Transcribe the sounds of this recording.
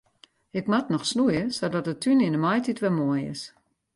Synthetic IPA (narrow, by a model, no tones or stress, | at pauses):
ɪkmatnɔxsnujəsodɔtətʰːynɪndəmɔjtʰitʋɛmoəjɪ̰s